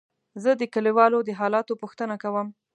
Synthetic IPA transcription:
zəd̪əkəliwɑlod̪əɦɑlɑt̪opuxt̪ənakawəm

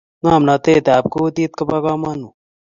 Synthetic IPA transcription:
ŋaːmnat̪eːt̪eaːp̚kot̪iːt̪kɐpaːkaːmaːnu

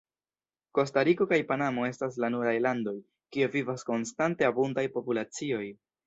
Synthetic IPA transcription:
ko̞staɾiko̞kajpanamo̞e̞staslanuɾajlando̞j | kiuvivasko̞nstante̞abundajpo̞pulat͡sio̞j

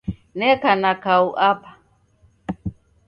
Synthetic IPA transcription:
nɛkanakauʔapḁ

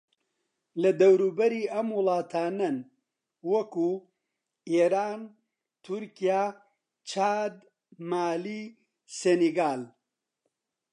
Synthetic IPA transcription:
lɐd̪ɐwɾuːbɐɾiːɐmwʊlˠɑːt̪ʰaːnɐn | wɐkuː | eːɾaːn | t̪ʰuɾkijaː | t͡ʃʰaːd̪ | maːliː | seneɡaːl

